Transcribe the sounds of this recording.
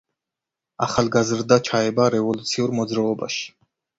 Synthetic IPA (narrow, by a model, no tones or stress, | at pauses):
a̰χalˠɡazɾd̪at͡ʃʰaɛbaɾɛvɔlut̪sʰiuɾmɔd̪zɾaɔba̰ʃi̥